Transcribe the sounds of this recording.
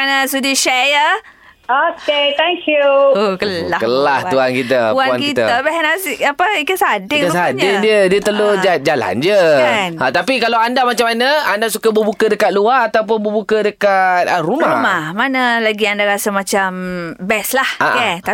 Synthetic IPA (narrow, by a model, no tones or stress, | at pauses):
anasudiʃɛjə | oket̪ɛŋkjuokəlahkəlaht̪uankit̪əuanankit̪əəbɛɦɛnasiapəikəsadɪŋkəsadɪdiədiət̪əlod͡ʒad͡ʒala̰nd͡ʒəanət̪apikalawandamat͡ʃamanəandasukabəbukədəkat̪̚luaat̪awp̬ʊnbəbukədəkat̪̚ərumauhmahmanaəlaɡiandaɾasamãt͡ʃambɛslaha̰ʔkɛt̪a